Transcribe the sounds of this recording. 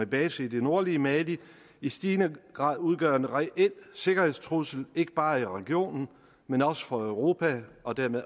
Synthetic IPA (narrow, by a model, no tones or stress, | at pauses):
eb̥ɛːsəid̥e̝no̝ɐliəmæli | isd̥iːnəɡ̥ʁɑ̰̈ð̰ˠuð̞ˠɡ̥ɶɐ̰e̝nʁɛʔel̰se̝ɡ̥ɐhðˠst͡sʰʁusl̩e̝ɡ̥əb̥ɑ̈ːiʁɛɡ̥io̝̰ːnn̩ | menɒ̽sə̥fɒ̽œʊʁo̝pʰæɒ̽d̥æɐmeð